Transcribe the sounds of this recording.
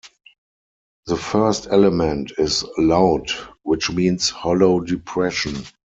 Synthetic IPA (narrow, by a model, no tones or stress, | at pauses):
ðəfɜ˞stɛləmɛ̃ntɪslaʊtwɪt͡ʃmĩːnshɔloʊdɪpʰɹɛʃə̃n